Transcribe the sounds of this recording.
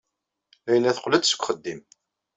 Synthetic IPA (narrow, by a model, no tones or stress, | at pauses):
æjənːæθəqːləd̪sə̥kʷχəd̪ːim